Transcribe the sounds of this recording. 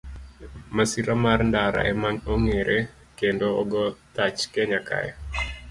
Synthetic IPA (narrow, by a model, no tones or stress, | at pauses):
masiɾamarndaɾa̰ʔɛmanoŋeɾʔe | kendoɔɡɔtat͡ʃkɛɲakʰa̰ja̰